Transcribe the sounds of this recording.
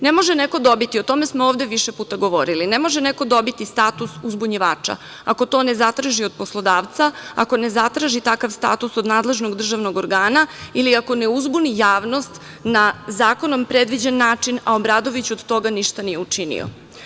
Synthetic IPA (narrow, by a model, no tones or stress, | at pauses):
nemo̞ʒene̞ko̞d̪o̞bit̪io̞t̪o̞me̞smooːʋd̪e̞ʋiʃepuːt̪aɡo̞ʋoɾilinemo̞ʒeneko̞d̪o̞bit̪ist̪aːt̪usuzbuɲiʋaːt͡ʂa̰ | ako̞t̪o̞ːne̞zat̪ɾaʒiod̪̚poslˠo̞d̪aːʋt̪saa̰ko̞ne̞zat̪ɾaʒit̪akaʋst̪a̰t̪usod̪naːd̪le̞ʒnoɡd̪r̩ʒaʋnoɡoɾɡaːnailiako̞neuzbunijaːʋno̞st̪ | nazaːko̞no̞mpɾed̪ʋid͡ʑenːaːt͡ʂinaobɾaːd̪o̞ʋit͡ɕuod̪t̪o̞ɡaniʃt̪anijeut͡ʂinḭo̰